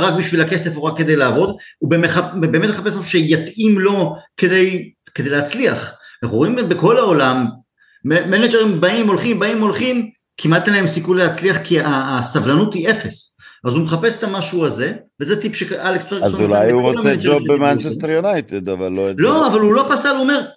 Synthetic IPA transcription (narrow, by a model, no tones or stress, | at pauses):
ʁakbiʃvilake̞se̞fuʁakːe̞d̪e̞jlaːvo̞d̪ubemeχabeːmetmeχapesmaʃuʃejat̪imlo̞ke̞d̪e̞jked̪e̞jleːt͡slia̰χnaχʁoimbe̞ko̞lao̞lam | eːened͡ʒeʁimbaimo̞lχimbaimo̞lχim | kʰimat̪eleemsikunleat͡sliaχkiasavlanut̪hiʔe̞fe̞s | ʔazumeχape̞se̥t̪amaʃuaze̞vezet̪ipʃealekstʁeazulajuʁoamsed͡ʒobemant͡ʃesteʁjunajt̪ed̪avalːolo̞avalulo̞pasalome̞ʁ